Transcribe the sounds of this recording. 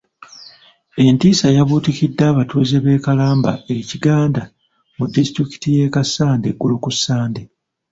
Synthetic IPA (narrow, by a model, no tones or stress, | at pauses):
e̞ntiːsajaβuːtikidːaːβatuːzeβe̞ːkalaːmba̰eciɡaːnda | mudːistɾiki̥tijeːkasːaːndeɡːulukusːaːnde